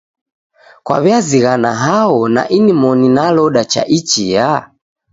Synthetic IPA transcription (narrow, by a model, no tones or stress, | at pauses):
kwa̰βiaziɣanaɦaɔna̰ʔinimɔninalɔɗat͡ʃa̰ʔit͡ʃija